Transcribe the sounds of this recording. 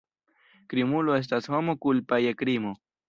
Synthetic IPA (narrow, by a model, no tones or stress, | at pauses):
kɾimuloes̬t̪aswamokʊlpajakɾimo